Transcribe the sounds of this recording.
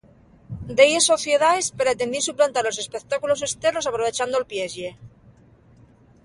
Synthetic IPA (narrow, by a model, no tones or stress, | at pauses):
d̪ejeso̞θjeðaespeɾat̪end̪isuplant̪aɾalo̞se̞spekt̪akulo̞se̞st̪eɾno̞sapɾoβ̞e̞t͡ʃand̪olpjezʝe